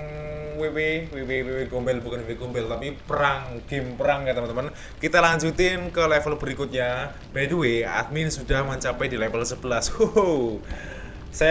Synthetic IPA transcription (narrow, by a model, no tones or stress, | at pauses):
weweweweweweɡombɛlbukanweweɡ̥ombɛlt̪apipəɾaŋɡ̥ɪmpəɾaŋɡat̪əmənt̪əmən | kit̪alaɲd͡ʒut̪ɪnkəlɛfəlb̥əɾikut̪̚ɲa | b̥aduwea̰t̪̚mɪnsudahmaɲt͡ʃapɛdilɛfəlsəb̥əlasho | sa